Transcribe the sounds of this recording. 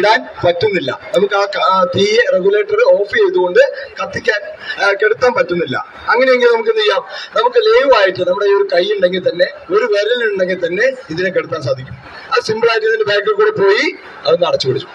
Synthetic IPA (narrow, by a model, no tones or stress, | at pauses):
ɽaːnpɐtːunːilːɐ̰nɐmukːɨaːkt̪iːere̞ɡule̞ːʈːɐrɨo̞ːfisejt̪uɣo̞ɳɖɨkɐt̪ːikʲːaːnke̞ɽut̪ːaːnpɐtːunːilːɐ̰ | ɐŋːɐnejeŋɡilnɐmukːɨnijːaːmnɐmukːɨleːʋaːjiʈːɨnɐmːuɽe̞oɾukɐjːuɳɖe̞ŋɡilt̪ɐnːe̞ | o̞ɾuʋeɾɐliluɳɖe̞ŋɡilt̪ɐnːe̞iðinek̬ːeɽut̪ːaːns̬aːd̪ʱikʲːu̥m | ɐðsimbɐɭaːjʈːɨiðindebeːkːɐɭkuːɽepo̞ːji | ɐðɐnɐɽɐt͡ɕːukoɽit͡ɕːu̥m